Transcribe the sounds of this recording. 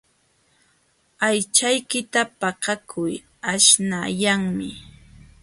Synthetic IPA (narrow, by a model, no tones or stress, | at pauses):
ajt͡ʃajkɪt̪apaqɑkʰʊj | aʃnajaŋmɪ